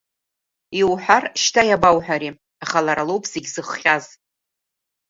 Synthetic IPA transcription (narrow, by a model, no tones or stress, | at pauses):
iwħʷᶣarʃtʰajabawħʷᶣaɾi | aχalaɾalowpʰseɡʲzɨχχʲaz